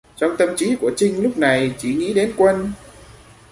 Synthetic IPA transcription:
t͡ɕɔ˧wŋ͡mt̪ə˧mt͡ɕi˨˦ku˧˩ət͡ɕï˧ŋ̟lʊ˦˥k͡p̚na˨˩jt͡ɕi˧˩ŋḭ˧˥ɗe˨˦nkwə˧n

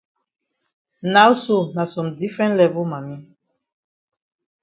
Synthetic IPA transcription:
na˦wso˦˨na˨sɔ̃˨mdi˦fɹɛ̃˦ntlɛ˦vɔ˦mã˨mĩ˦

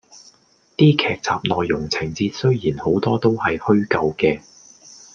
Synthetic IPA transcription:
t̪iː˥kʰɛː˧k̚t͡sʰaː˨p̚lɔː˨jːʊ˨˩ŋt͡sʰɪ˨˩ŋt͡siː˧t̚sɵ˥ɥjiː˨˩nho˨˥wt̪ɔː˥t̪o˥whɐ˨jhɵ˥ɥkɐ˧wkɛː˧

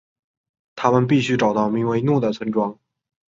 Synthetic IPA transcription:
t̪ʰa˥mə˨np̬i˥˩ɕy˥ʈ͡ʂɑ˨˩ʊt̪ɑ˥˩ʊmi˧˥ŋwe˧˥ɪnu˥˩d̪ə˩t͡sʰwə˧˥nʈ͡ʂwɑ˥ŋ

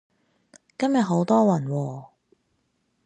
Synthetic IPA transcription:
kɐ˥mjɐ˨t̚ɦo˨˥wt̪ɔː˥wɐ˨˩nwɔː˧

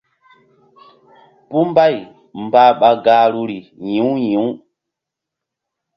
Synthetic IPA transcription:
pu˦mba˦˨j | m˨ba˦ɓa˨ɡaː˨˦ɾu˦ɾi˨ɲĩ˨˦wɲĩ˨˦w

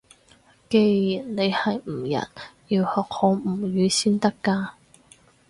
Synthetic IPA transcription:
ke˧ji˨˩nne˨˧jhɐ˨jm̩˨˩jɐ̰˨˩njiː˧whɔː˨k̚hɔː˨˧˥m̩˨˩jyː˨˧siː˥nt̪ɐ˥kːaː˧

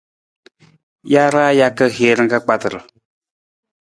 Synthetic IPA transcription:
ja˦ɾaː˦ja˦kə˦heː˦ɾɨ˦ŋka˦k͡pa˦t̪ɨ˨ɾə˨

